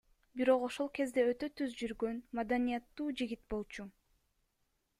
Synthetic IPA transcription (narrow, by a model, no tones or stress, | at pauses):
biɾo̞qo̞ʃo̞lˠke̞zd̪e̞øt̪ø̞t̪ʰyzd͡ʒyɾɡø̞nmad̪anijat̪ːuːd͡ʒiɡit̪bo̞lˠt͡ʃu